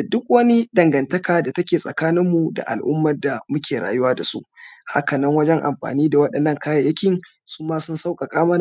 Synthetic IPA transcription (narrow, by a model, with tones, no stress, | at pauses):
da˨dʊ˦k̚wɐ˦ni˦dɐ˨ŋɡɐ˨ntɐ˦kaː˨da˨tɐ˦kʲeː˨sʼɐ˨kaː˦nɪ˦mːu˨da̰˨ʔa̰˨lʔʊ̰˦mːɐ˨rda˨mʊ˦kʲeː˨ɽa̰ː˨jʊ˦waː˦da˨sṵ˦ʔha̰˦kɐ˨nɐ˦ŋwɐ˦d͡ʒɛ˦ŋʔa̰˨mɸa̰ː˨niː˦da˨wɐ˦ɗɐ˨nːɐ˦ŋkaː˦ja˨jɐ˦kʲɪ˨ŋ | suː˦maː˦sʊ˦nsa˦wkʼa˨kʼaː˦mɐ˦na˨